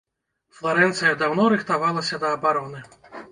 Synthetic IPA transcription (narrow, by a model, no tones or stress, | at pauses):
flˠaɾɛnt̪sɨjɐd̪awnɔɾɨxt̪avalˠɐsʲɐd̪ɐːbaɾɔnɨ